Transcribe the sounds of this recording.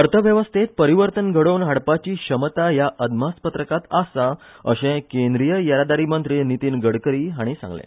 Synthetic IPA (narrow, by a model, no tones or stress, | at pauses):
əɾt̪ʰəʋjəʋəst̪ʰet̪̚pəɾiʋəɾt̪ənɡʱəɽəwnɦaɽpat͡ɕiːɕəmət̪ajaʔəd̪maspət̪ɾəkat̪asa | əɕẽkend̪ɾijəjəɾad̪aɾimənt̪ɾinit̪iːnɡəɽkəɾiːɦaɽ̃isã̰ŋɡlḛ̃